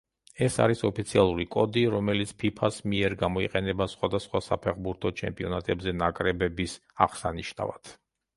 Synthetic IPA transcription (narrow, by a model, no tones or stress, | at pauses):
ɛsa̰ɾisɔpʰit̪sʰialˠuɾikʼɔd̪iɾɔmɛlit̪sʰpʰipʰasmiɛɾɡamɔiqʼɛnɛbasχwad̪asχwasapʰɛχbuɾt̪ʰɔt͡ʃʰɛ̰mpʼiɔnat̪ʼɛbzɛnakʼɾɛbɛbisa̰ʁsaniʃna̰va̰t̪ʰ